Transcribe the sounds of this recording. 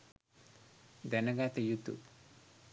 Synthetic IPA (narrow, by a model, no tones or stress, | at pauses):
d̪ɛnɐɡat̪ejut̪ːṵ